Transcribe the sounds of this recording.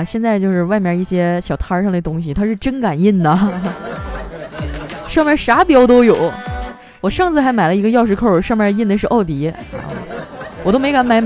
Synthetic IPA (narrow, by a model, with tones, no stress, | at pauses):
ɕjɛ˥˧nt͡sa˥˧ɪt͡ɕjo˥˧ʊʂɻ̩˥˧wa˥˩ɪmjɑ˥˧i˥˩ɕjɛ˥ɕjɑ˨˩ʊt̪ʰa˥˧ʂɑ˥˩ŋd̪ə˨˩t̪ʊ˥ŋɕi˨˩t̪ʰa˥ʂɻ̩˥˩ʈ͡ʂə˥nka˨˩ni˥˩nd̪ə˩ | ʂɑ˥˧ŋmja˥˩ʂa˧˥pjɑ˥ʊt̪̬o˥ʊjo˨˩˦ʊ | wɔ˨˩ʂɑ˥˧ŋt͡sʰɹ̩˥˩xa˧˥ɪma˨˩ɪlə˦i˧˥ɡə˧jɑ˥˧ʊʂɻ̩˥˧kʰo˥˩ʂɑ˥˧mja˥˧i˥˩nd̪ə˨˩ʂɻ̩˥˧ʔɑ˥˩ʊt̪ḭ˧˥˧ | wɔ˨˩t̪o˥me˧˥ɪka˧˥nma˨˩˥ɪm